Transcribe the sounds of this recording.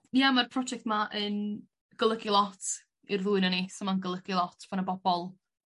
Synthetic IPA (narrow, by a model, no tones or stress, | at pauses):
jamarpʰrɔd͡ʒɛk̚tmaʔən | ɡ̥əlˠəɡilˠɔtʰ | irðuɨnanisɔmanɡəlˠəɡ̥ilˠɔtʰb̥anəbɔb̥ɔlˠ